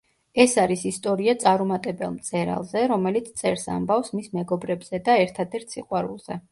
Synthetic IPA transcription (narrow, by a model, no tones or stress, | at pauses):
ɛsaɾisist̪ʼɔɾiat̪sʼaɾumat̪ʼɛbɛ̰lˠmt̪sʼɛɾa̰lˠzɛɾɔmɛlit̪sʰt̪sʼɛɾsa̰mbafsmismɛɡɔbɾɛbz̥ɛd̪aɛɾt̪ʰad̪ɛɾt̪ʰsiqʼwaɾṵlˠz̥ɛ